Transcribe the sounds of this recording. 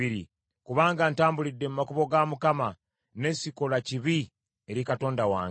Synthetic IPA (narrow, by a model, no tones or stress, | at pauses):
iɾḭ | kuβaːŋɡantaːmbulidːe̞mumakuβo̞ɡamukama | ne̞sikolaciβi | e̞ɾikato̞ːndawa̰ː